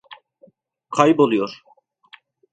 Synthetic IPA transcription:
kʰajbolijoɾ

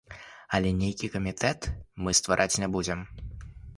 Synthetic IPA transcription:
ɐlʲɛnʲejkʲikɐmʲit̪ɛt̪mɨst̪vaɾʔat͡sʲnʲabud͡zʲɛm

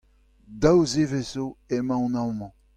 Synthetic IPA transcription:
d̪awzevesoemãw̃nawmɔ̃

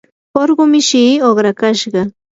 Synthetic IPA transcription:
oɾɢʊmɪʃiːoχɾakaʃɢɑ

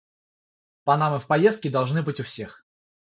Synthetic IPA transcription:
pɐnamɨfpɐjest̪̚kʲɪd̪ɐlˠʐnɨbɨtʲʊfsʲe̞x

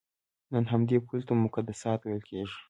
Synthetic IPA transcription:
nənɦamd̪epult̪amʊkad̪asɑt̪wejlkʰeʒi̥

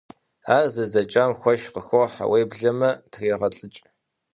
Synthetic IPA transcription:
aːrzɐzɐt͡ʃʼaːmxʷɔʃqəxʷoħa̰wejbɮɐmɐtʰriːʁɐɬʼɨt͡ʃʼ

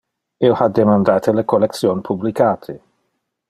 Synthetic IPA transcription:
ilhad̪emand̪aːt̪ʰelekolɛk̚sjonpʰublikaːt̪ʰe

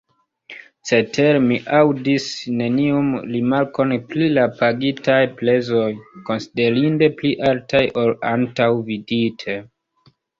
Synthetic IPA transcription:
se̞tʰeɾmiʔawdisne̞niumɾimaɾko̞nplilapaɡitʰajple̞zo̞jko̞nside̞ɾinde̞pliʔaltʰajʔo̞lantawviditʰe

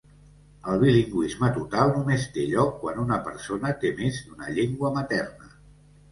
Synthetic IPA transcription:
əlˠβiliŋɡwizmət̪ut̪alˠnumest̪eʎɔkːwanunəpəɾsonət̪emizd̪unə̰ʎeŋɡwəmət̪ɛrnə

